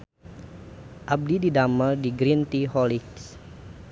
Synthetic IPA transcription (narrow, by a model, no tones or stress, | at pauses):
ʔab̚dididaməldiɡɾint̪iɦɔliks